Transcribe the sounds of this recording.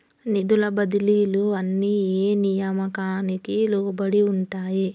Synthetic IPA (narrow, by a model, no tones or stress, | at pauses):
nid̪ulɐbɐd̪iliːluɐnːieːnijɐmɐkaːnikilɔːbɐɽiuɳʈaːji